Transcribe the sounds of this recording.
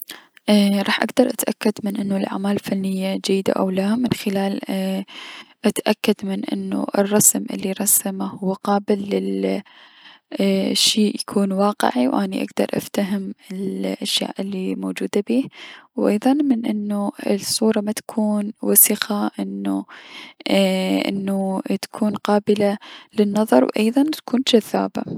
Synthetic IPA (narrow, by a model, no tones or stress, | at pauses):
ʔɾˤɑːħʔaɡd̪ɑɾˤʔat̪ʔakːad̪mɪnʔɪnːʊlʔa̰ʕmaːllfanːɪjːad͡ʒajːɪd̪a̰ʔa̰wlaːmɪnxɪlaːl | ʔat̪ʔakːad̪mɪnʔɪ̰nːṵʔɪ̰rˤːɑsmʔɪ̰lːiɾˤɑsamahʊwːaqɑːbɪlːɪ | ʃiːʔjakʰuːnwɑːqɪ̰ʕiwʔaniʔa̰ɡd̪ɑ̰ɾˤʔa̰ft̪aɦɪmɪlʔaʃja̰ːʔɪlːimoːd͡ʒuːd̪abiːhwʔɑ̰jðˤɑnmɪnʔɪnːuɪsˤːuːɾˤɑmat̪ḁkʰuːnwasiqaʔɪnːu | ʔɪ̰nːut̪ḁkʰuːnqɑːbɪlalɪnːɑðˤɑ̰ɾˤwʔɑjðˤɑnt̪ḁkʰuːnd͡ʒaðːa̰ːba̰